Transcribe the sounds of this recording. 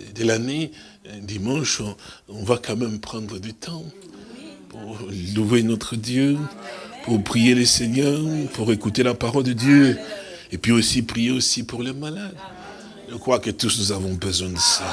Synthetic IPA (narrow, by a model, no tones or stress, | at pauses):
d̪elane | d̪imɑ̃ʃɔ̃vakɑ̃mɛmpχɑ̃d̪ʁəd̪yt̪ʰɑ̃ | puʁluvenɔt̪χəd̪jø | puʁpχijelesɛɲœʁpuʁekut̪elapaʁɔld̪əd̪jø | epɥiosipχijeosipuʁlemalad̪ | ʒəkχwakət̪usnuzavɔ̃bəzwɛ̃d̪əsa